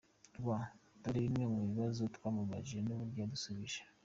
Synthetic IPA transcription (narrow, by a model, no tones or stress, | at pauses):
ɡwataɾiβimŋemɡeβiβazotkwaːmuβaʒienoβuɾɟadusuβiʒḁ